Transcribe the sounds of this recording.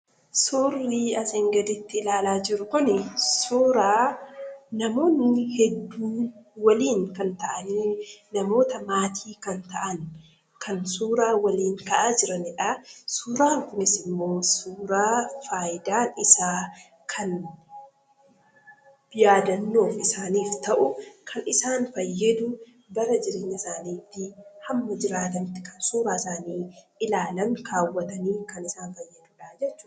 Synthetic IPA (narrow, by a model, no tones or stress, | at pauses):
sorːiːɐseŋɡɐd̪ɪt̪ːɪɪlaːlaːd͡ʒɪɾʊkʊnɪsuːɾaː | nɐmo̞ːnːɪhɛd̪ːuːwɐliːŋkɐnt̪ɐʔɐnnɐmo̞ːt̪ɐmaːt̪ʰiːkɐnt̪ɐʔɐn | kʰɐnsuːɾaːwɐliːŋkɐʔaːd͡ʒɪɾɐnɪᶑɐsuːɾaːŋkʊnɪsɪmːo̞ːsuːɾaːfaːjɪd̪aːnɪsaː | kʰɐn | jaːd̪ɐnːo̞ːfɪsaːniːft̪ɐʔʊkʰɐnɪsaːnfɐjːɛd̪ʊ | bɐɾɐd͡ʒɪɾeːɲːɐsaːniːt̪ːɪhɐmːɐd͡ʒɪɾaːt̪ɐnt̪ɪ̥kɐnsuːɾaːɪsaːniː | ɪlaːlɐŋkaːwːɐt̪ɐniːkɐnɪsaːnfɐjːɛd̪uːᶑaːd͡ʒɛt͡ʃːʊ